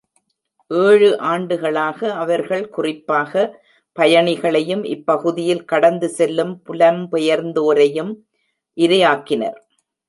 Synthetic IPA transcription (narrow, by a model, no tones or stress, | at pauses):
ʔeːɻɯʔaːɳɖɯɣɐɭaːɣɐɐʋɐɾɣɐɭkʊrɪpːaːɣɐ | pɐjɐɳɪɣɐɭɐjɯmʔɪ̰pːɐɣɯðɪjɪlkɐɽɐnd̪ɯsɛlːɯmpʊlɐmpɛjɐɾnd̪oːɾɐjɯm | ʔɪɾɐjaːkːɪnɐ̰ɾ